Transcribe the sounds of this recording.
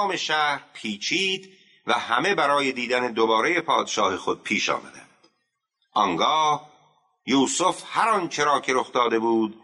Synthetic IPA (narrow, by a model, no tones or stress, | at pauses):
me̞ʃæɾpʰiːt͡ʃʰiːd̪ | væhæme̞bæɾɒːje̞d̪iːd̪æne̞d̪obɒːɾe̞je̞pʰɒːd̪e̥ʃɒːhexod̪̚pʰiːʃɒ̰ːmæd̪ænd̪̥ | ʔɒŋɡɒːh | juːsofhæɾɒnt͡ʃʰe̞ɾɒːcʰe̞ɾo̞xd̪ɒːd̪e̞buːd̪